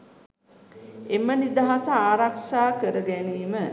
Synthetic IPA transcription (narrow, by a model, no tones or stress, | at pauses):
emənid̪aɦasəaːɾakʂaːkəɾəɡæniːmə